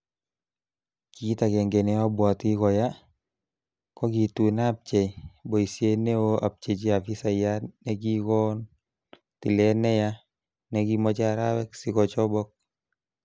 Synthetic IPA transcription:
ki˦ta˨kɛ˨ŋɡe˨nɛ˦a˦bwa˨ti˦kɔ˨ja˦ | kɔ˦ɡi˨tu˨nap̚t͡ʃɛ˨bo˨i˨sje˦ne˦o˦a̰˨p̚t͡ʃe˨t͡ʃi˦a˨fi˦sa˨janɛɡi˦kɔ˦n | ti˨lɛ˦nɛ˦ja | nɛɡi˦mɔ˦t͡ʃaɾawɛ˦ksi˦kɔ˨t͡ʃɔbɔ˦k̚

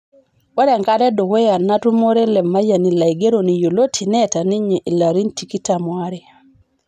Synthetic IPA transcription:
wɛ˦ɾɛ˨ŋka˦ɾɛ˦do˨kɛ˦ja˨na˦tu˦mo˦ɾɛ˦lɛ˨mːa˦ja˨ni˨la˨i˨ɡe˦ɾo˨ni˨jo˨lo˦tʰi˨nɛ˦ta˨ni˦ɲe˨ʔi˨la˨ɾi˦nti˨ki˦ta˨mwa˦ɾɛ˨

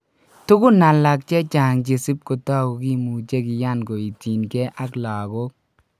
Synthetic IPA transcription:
tu˦kʊ˦na˨la˨k̚t͡ʃɛ˦t͡ʃa˨ŋt͡ʃe˨si˦p̚ko˨ta˦˨ko˨ki˦mu˨t͡ʃe˦ki˨ja˦˨nɡo˨i˨ti˨nkɛ˦ʔa˦kla˨ko˦k̚

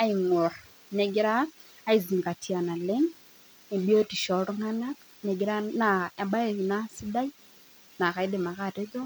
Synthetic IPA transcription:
a˦i˨ŋo˨ɾ | ne˨ɡi˦ɾaː˦ | i˨zi˨ŋɡa˨tʰi˨a˨na˨le˦ŋ | ne˨bi˦o˦ti˨ʃɔ˨ɾɔ˦ŋa˦na˦ | ne˨ɡi˦ɾa˦na˨a˨ɓa˦e˨ɣi˨na˦si˦da˦i˦ | na˨ka˨i˦de˨ma˨ka˦˨te˦ðo˦

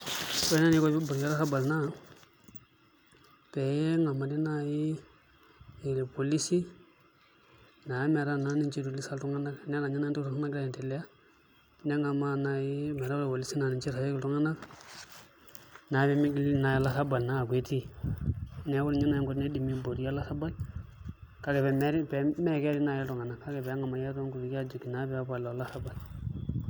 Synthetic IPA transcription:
ko˦na˦ni˨˦ko˦bi˦bu˨ɾd͡ʒi˦la˦a˦ba˨lna˦˨ | pe˨je˦ŋa˨ma˨di˦na˦˨ji˦˨ | li˨po˨li˦si˦ | na˨jme˨ɾa˦˨na˦ni˨nt͡ʃi˦ɾu˨li˦sa˦ltu˦ŋa˦na˦kne˦na˨ɲi˦n˦tu˦tu˦a˦na˦ɡla˦˨te˨le˦ja˦ | ne˦ŋa˨ma˦na˨ji˦mɛ˨ɾa˦lpo˨li˦si˦na˨ni˨t͡ʃi˦ɾa˨si˦kltu˦ŋa˦na˦k | na˨˦bɛ˨˦m˦ɡlna˨ji˦la˦sa˦ba˨lna˦˨ɡwe˨˦ti˦ | nɛ˨˦wu˦lɲi˦na˦ji˦ŋɡu˦tne˦di˨mi˦bo˨di˦ja˦la˦sa˦ba˦l | ka˦ɡɛ˨bɛ˨m˦ɾpɛ˨mɛ˦kɛ˦di˦na˨ji˦tu˨ŋa˨na˨kːa˦ɡɛ˨bɛ˨˦ŋa˨ma˨jɛ˦to˦ŋku˨ɾi˨ka˦d͡ʒu˨kːi˨na˦bɛ˦ba˨lo˨la˦sa˦ba˨l

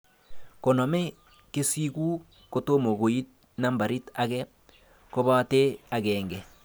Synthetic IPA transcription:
ko˨no˨mɛ˦ | ke˦si˦ku˦ | ko˦to˦mo˨ɣo˨i˦t̚ | na˦mba˨ɾi˦ta˦kɛ˦ | ko˦βa˦te˦a˨kɛ˨ŋɡɛ˨

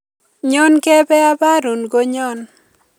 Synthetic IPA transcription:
ɲɔ˦nkɛ˦bɛ˦a˦ba˦ɾu˨nɡo˦ɲɔ˦n

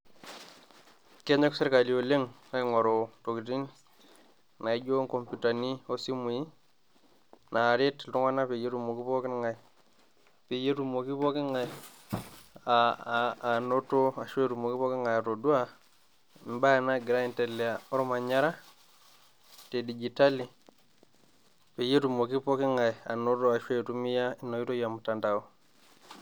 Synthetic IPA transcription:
ke˦ɲe˦kse˦ɾka˨li˨o˨le˦ŋna˨˦ɪ˦ŋo˨ɾo˨to˨ki˨ti˦n | na˨i˦d͡ʒo˦ŋko˨mpu˨ta˨ni˦o˦si˦mu˨i˦ | na˨ɾe˦tltu˦ŋa˦na˦pe˨je˦tu˨mo˨ki˦po˦kɪ˦nŋa˨j | pe˨je˦tu˨mo˨ki˦po˦kɪ˦ŋa˨j | a˨ | no˦to˦a˨ʃwe˦tu˨mo˨ki˦pɔ˦ki˦ŋa˨ja˨to˨du˦a˦˨ | ba˦a˨na˦ɡi˨ɾa˦i˨nte˨li˨a˨ɔ˦ɾɔ˦ma˨ɲa˦ɾa˦ | te˨di˨d͡ʒi˨ta˦li˨ | pe˨je˦tu˨mo˨ki˦po˦ki˦ŋa˨a̰˨no˦tɔ˦a˨ʃwe˦˨tu˦mi˦ja˦i˨˦no˨i˦to˦ja˨mu˨ta˨nda˨o˦

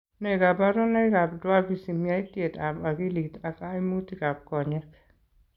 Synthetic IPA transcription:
nɛ˦˨ɡa˨ba˦ɾɔ˦nɛ˦ɡa˨bdwa˦lbi˨si˨mia˦i˦tje˨ta˨ba˨ɡi˦li˨ta˨ka˦i˦mu˦ti˦ka˨b̚kɔ˨ɲɛ˦k

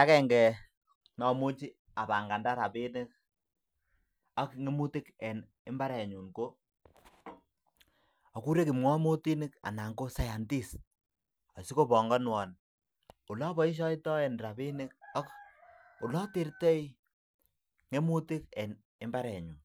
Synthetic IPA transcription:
ta˦kɛ˨ŋɡɛ˨ | nɔ˨mu˦t͡ʃi˦ | a˨ba˨ŋɡa˨nda˦ɾa˨pi˦nɪ˦k̚ | a˦kŋe˦mu˦tɪ˦kɛ˨n | e˦mba˦ɾɛ˨ɲu˨nko˦ | ɔ˨ku˦ɾe˦ki˨mŋwɔ˦mo˦ti˦nɪ˦ka̰˨na˨ŋɡo˦sa˨ja˨nti˦s | ɔ˨si˦ko˦pɔ˨ŋɡɔ˦nwɔ˨n | u˨lɔ˦bɔ˦i˦ʃ̬ɔ˦jtɔ˦ɛ˨nɾa˨bi˦nɪ˦k̚ɔ˦k | u˨lɔ˦ti˦ɾte˦i | ŋe˦mu˦tɪ˦kɛ˨n | e˦mba˦ɾɛ˨ɲu˨n

